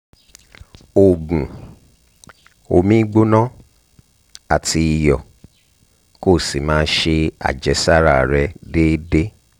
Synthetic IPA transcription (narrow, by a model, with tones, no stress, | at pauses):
o˨ɡũ˨ | o˧mĩ˦ɡ͡bo˦nã˦ | a˨tʰi˧i˨jɔ˨ | ko˦˨si˨mãː˦ʃe˧a̰˨d͡ʒɛ˨˦sa˦ɾa˦˨ɾɛ˧deː˦de˦